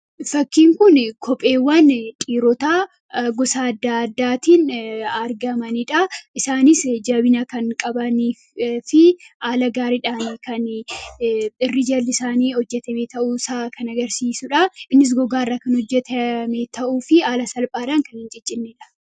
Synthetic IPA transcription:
fɐkːiːŋkʊnkʰɔpʼe̞ːwːɐnt̪ʼiːɾɔt̪a | ɡɔsaːɐd̪ːaɐd̪ːaːt̪iːnɐɾɡɐmɐnɪᶑɐʔɪsaːnɪsd͡ʒɐbɪnɐkɐŋkʼɐbɐniː | fɪʔaːlɐɡaːɾɪᶑaːnikɐn | ɪrːɪd͡ʒɐlːɪsaːniːhɔd͡ʒːɛt̪ɐmeːt̪ɐʔusaːkɐnɐɡɐɾsiːsʊᶑɐɪnːɪs̬ɡɔɡaːrːɐkɐnhɔd͡ʒːɛt̪ʰɐmeːt̪ɐʔuːfɪaːlɐsɐlpʼaːᶑaːŋkɐnhɪnd͡ʒɛt͡ʃʼːɪnːeᶑɐ̥

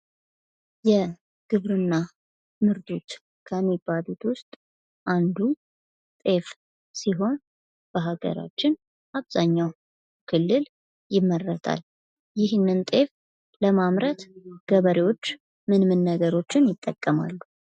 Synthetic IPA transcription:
jɛ | ɡ̥ɨβɾɨnːa | mɨɾt̪ʰʼut̪ | kʰəmːibːalut̪wʊst̪ʼ | ʔand̪u | t̪ʼe̞f | siɦo̞n | b̥əɦaɡə̰ɾa̰t͡ʃːɪn | ʔaβzaɲːaw | kʰɨlːɨl | jɪmːərːət̪ʰa̰l | jɪhnːɨnt̪ʼe̞f | ləmamɾət̪ɡ̥əβəɾewo̞t͡ʃː | mɨnmɨnːəɡəɾo̞t͡ʃːɪnjɪt̪ʼːəkʼːəma̰lːu

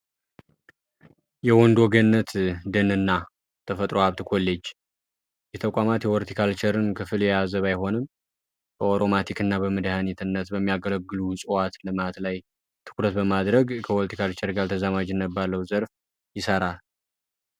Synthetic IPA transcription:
jɛwɔnd̪wɔɡənːət̪d̪ɨnɨnːa | t̪ʰəfət̪ʼɾohaβt̪ʰɨkʰo̞lːet͡ʃː | jɛt̪ʰəkʷʼamat̪jɛwɔɾt̪ʰikʰalt͡ʃʰəɾɨnkʰɨfɨljɛjazəβajɦo̞nɨm | b̥əoɾomat̪ʰikɨnːaβəməd̪hanit̪ʰɨnːət̪bəmːijaɡələɡːɨlusʼɨwat̪lɨmat̪laj | t̪ʰɨ̥kɾət̪̚bəmad̪ɾəɡkʰəwolt̪ʰi̥kʰalt͡ʃʰɛɾɡalt̪ʰəzamad͡ʒɨnːəbːalːəwzəɾf | jɪsəɾal

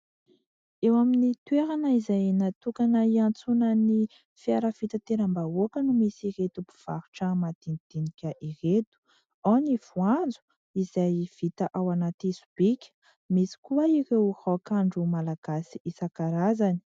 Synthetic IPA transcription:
ewaminit̪weɾanəizajnat̪ukanəiant͡sunəni | fiaɾav̥it̪at̪eɾambaokənumisiɾet̪ubi̥v̥aɾuʈ͡ʂəmad̪̥inid̪̥inikʲəʔiret̪u̥ | aniv̥uand͡zu̥ | izajv̥it̪aʔawanat̪isub̥ikʲə̥ | misi̥kuaiɾewhakaɳɖ͡ʐumalaɡ̥asiʔisakaɾazani̥

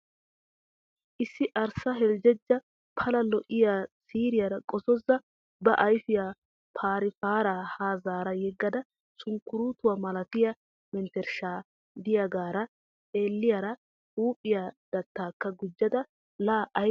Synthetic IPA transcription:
ʔɪsːɪʔɐɾsɐɦɛld͡ʒɛd͡ʒːɐ | pʰɐlɐlɔʔɪjaːsiːɾɪjɐɾɐkʼɔsɔzɐ | bɐʔɐjfɪjaː | pʰaːɾɪfaːɾaːhaːzaːɾɐjɛɡːɐd̪ɐ | sʊŋkːʊɾuːt̪ʊwamɐlɐt̪ɪjɐ | mɛnt̪ɛɾʃaː | d̪ɪjɐɡaːɾɐ | eːlːɪjɐɾɐ | uːpʼːɪjaːd̪̥ɐt̪ːaːkːɐɡʊd͡ʒːɐd̪ɐ | laːʔɐ

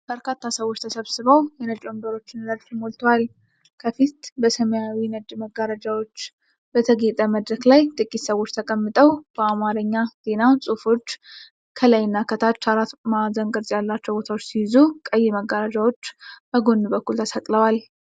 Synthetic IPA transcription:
b̥əɾkat̪ːasəwo̞t͡ʃːt̪ʰəsəβsɨβəwjɛnət͡ʃʼo̞nd̪əɾo̞t͡ʃːɪnləd͡ʒt̪ʰəmo̞lt̪ʰwal | kʰəfit̪bəsəməjawinəd̪məɡːaɾad͡ʒawo̞t͡ʃː | b̥ət̪ʰəɡet̪ʼəməd̪ɾəklajt̪ʼɨkʼːit̪səwo̞t͡ʃːt̪ʰəkʼəmːɨt̪ʼəwb̥əamaɾəɲːaz̥e̞nasʼufo̞t͡ʃː | kʰəlajɪnːakʰət̪ʰat͡ʃːaɾat̪mazəŋɡəɾt̪ʼjalːat͡ʃːəwbo̞t̪ʰawot͡ʃːsijzukʼəjːeməɡəɾad͡ʒawo̞t͡ʃːbəɡo̞nd̪ubəkːult̪ʰəsəkʼləwal

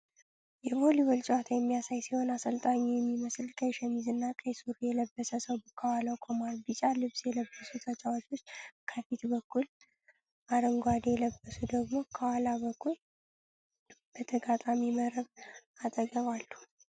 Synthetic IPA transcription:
jɛholiwɔlt͡ʃʼwat̪ʰajɛmːijasajsiho̞nasəlt̪ʼaɲːijɛmːiməslkʰʼəjʃɛmizɨnːakʼəjsuɾjɛləbːəsəsəwbɨkʰːawaləwkʰomaɾbit͡ʃʼalɨβsjɛləbːəsut̪ʰət͡ʃʼawot͡ʃːwot͡ʃːkʰəfit̪bəkʰːul | ʔaɾəŋɡʷad̪jɛləbːəsud̪əɡmo̞kʰəwalaβəkʰːul | b̥ət̪ʰəɡat̪ʼamiməɾəβat̪ʼəɡəβalːu

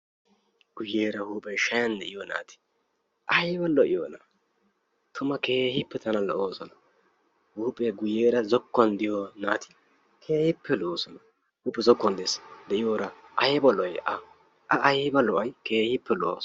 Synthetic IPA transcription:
ɡ̥ʊjeːɾɐhuːpʼɛʃɐjɐnd̪ɛʔɪjɔna̰ːt̪ɪ̥ | ʔɐjbɔlɔʔɪjoːnɐ | t̪ʰʊmɐke̞ːhɪpːɛt̪ɐnɐlɔ̰ʔoːsɔnɐ | huːpʼeɡʊjeːɾɐzɔkːɔnd̪ɪjɔnaːt̪ɪ̥ | kʰe̞ːhɪpʰːɛlo̞ːsɔnɐ | huːpʼːɛzɔkːɔnd̪ɪsd̪ɛʔɪjoːɾɐ | ʔɐjbɐlɔjʔɐ | ʔɐʔɐjbɐlɔʔɐjke̞ːhɪpːɛlo̰ːs

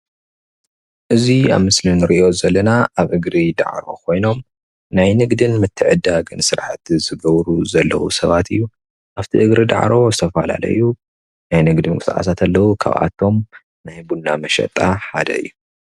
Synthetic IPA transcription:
ʔɨzia̰βmɨslɨnɨɾiʔo̞zɐlːɐnaʔaβʔɨɡɾid̪a̰ʕɾo̞̰kʰo̞jno̞m | najnɨɡd̪ɨnmɨt̪ʰːɨʕɨd̪aɡɨnsɨɾħat̪zɨɡɐβɾuzɐlːɐ̰wṵsɐβat̪ɨjːu | ʔaβt̪ʰiʔɨɡɾid̪a̰ʕɾo̞zɨt̪ʰɐfɐla̰lɐ̰jːu | najnɨɡd̪ɨnkɨt̪aʔa̰sat̪ʰalːɐwukʰa̰βʔa̰t̪ʰːo̞m | najbunːamɐʃɐ̰t̪ʼaħad̪ɐ̰ɨ̰jːu

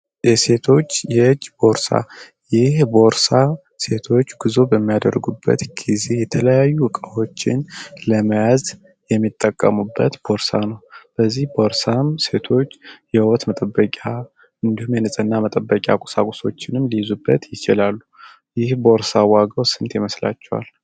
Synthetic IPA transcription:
jɛse̞t̪ʰo̞t͡ʃːjɛd͡ʒːbo̞ɾsa̰ | jɪhbo̞ɾsa | se̞t̪ʰo̞t͡ʃːɡ̥ɨzo̞bəmːijad̪ə̰rɡubːə̰t̪ɡize̞jɛt̪ʰələjajːuɨkʼəwo̞t͡ʃːɪnləməjaz | jɛmːit̪ʼːəkʼːəmubːə̰t̪b̥o̞ɾsanəwb̥əzːihbo̞ɾsamse̞t̪ʰo̞t͡ʃːjɛwɔt̪mət̪ʼəbːəkʼa | ɨnd̪ihumjɛnɨsʼɨnːamət̪ʼəbːəkʼa̰kʼu̥sa̰kʼuso̞t͡ʃːɪnɨmlijzubːət̪jɪt͡ʃɪlalːu | jɪhbo̞ɾsawaɡəwsɨnt̪jɛməsla̰t͡ʃːɛwa̰l

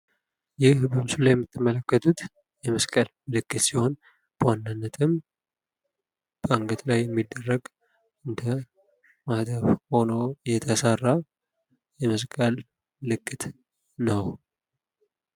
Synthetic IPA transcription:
jɪhbəmsulajɛmːɨt̪ːɨmːələkːət̪ʰut̪ | jɛməskʼəlmɨlɨkːɨt̪siho̞n | b̥əwanːanːət̪ʰɨm | b̥əaŋɡət̪lajːɛmːid̪ːərːəɡ | ɨnd̪ʰə | mahd̪əβho̞no̞jɛt̪ʰəsarːa | jɛməskʼəl | lɨkʼːɨt̪ | nəw

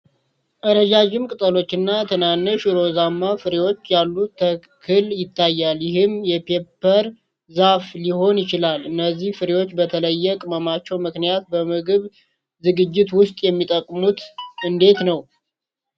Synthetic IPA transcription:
ʔəɾəd͡ʒad͡ʒɪmkʼɨt̪ʼəlo̞t͡ʃːɨnːat̪ʰənanːɨʃɾo̞zamːafɨɾewo̞t͡ʃːjalːuə | kʰɨljɪt̪ʰːajːaljɪɦɨmjɛpʰe̞pʰːəɾ | zafliho̞njɪt͡ʃɪlalɨnːəzːihfɨɾewo̞t͡ʃːbət̪ʰələjːɛkʼɨməmat͡ʃːɛwmɨknijat̪̚bəmɨɡɨβ | zɨɡɨd͡ʒːɪt̪wʊst̪ʼjɛmːit̪ʼəkʼːmut̪ɨnd̪e̞t̪nəw

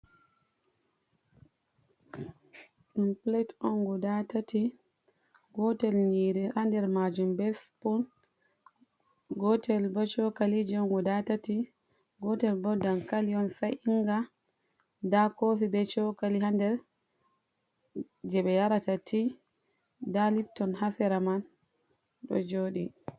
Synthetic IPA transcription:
impletɔŋɡɔdatati | ɡɔtɛlɲiːɾihandɛɾmad͡ʒumbɛspun | ɡɔtɛlbɔt͡ʃɔkalid͡ʒɛɔŋɡɔdatati | ɡɔtɛlbɔdankaliɔnsajʔiŋɡa | dakofibɛt͡ʃɔkalihandɛɾ | d͡ʒɛɓɛjaɾatatʰi | dalip̚tɔnhasɛɾaman | ɗɔ̰d͡ʒoːɗi

